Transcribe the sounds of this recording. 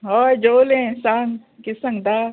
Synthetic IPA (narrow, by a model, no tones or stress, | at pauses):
ɦod͡ʒoːlẽsaːŋ | kɪsɐ̃ŋd̪aː